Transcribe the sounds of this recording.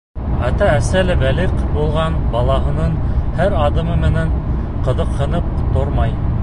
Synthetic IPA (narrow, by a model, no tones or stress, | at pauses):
æ̰t̪æːsælɘbæliqbulˠʁɑnbɑlˠɑɦɤ̆nɤɴhæɾɑðɤ̆mɤmɘ̆næɴ | qɤ̆ðɤqhɤ̆nɤp̚t̪oɾmɑj